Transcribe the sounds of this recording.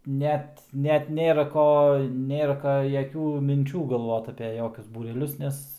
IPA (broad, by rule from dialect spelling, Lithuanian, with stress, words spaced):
ˈnʲɛt ˈnʲɛt ˈnʲeːrɐ ˈkoː ˈnʲeːrɐ jɛˈkʲuː mʲɪnʲˈt͡ʃʲuː ɡɐlˠˈʋoːt ɐpʲɛ ˈjoːkʲʊs buːrʲɛˈlʲʊs ˈnʲɛs